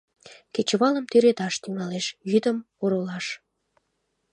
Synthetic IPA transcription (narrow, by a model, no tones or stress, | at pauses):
ket͡ɕəβɑləmt̪yɾet̪ɑʃt̪yŋɑleʃjyd̪əm | oɾolɑʃ